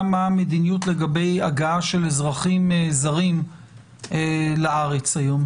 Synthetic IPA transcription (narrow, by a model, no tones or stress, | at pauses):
mamed̪inijutle̞ɡabe̞jaɡaaʃe̞lezʁaχimezaʁim | elaʔaʁet͡sajo̞m